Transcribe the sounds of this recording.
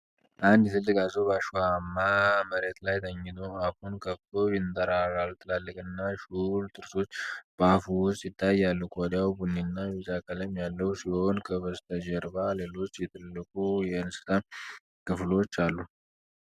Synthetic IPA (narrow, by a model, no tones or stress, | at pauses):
ʔand̪jɛt̪ʰɨlːɨkʼazəwbaʃuamːaməɾet̪lajt̪ʰəɲːɪt̪ʰoafunkʰəft̪ojɪnt̪ʼəɾaɾalt̪ʰɨlalːɨkʼɨnːaʃult̪ʰɨɾso̞t͡ʃːb̥əafuwʊst̪jɪt̪ʰːajalːukʰɔd̪jawbunːinːamizakʼələmjalːəwusionkʰəβəst̪ʰəd͡ʒɛɾbale̞lo̞t͡ʃːjɛt̪ʰɨlːɨkʼujɛɨnsɨ̥t̪ʰa | kʰɨflwot͡ʃːalːu